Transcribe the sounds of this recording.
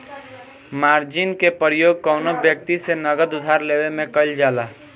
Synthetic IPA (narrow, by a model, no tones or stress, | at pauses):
maːɾd͡ʒɪnkepəɾjoːɡ̚kɔːnobjək̚t̪isenəɡəd̪ʊd̪ʱaːɾleːʋemẽkəld͡ʒaːlaː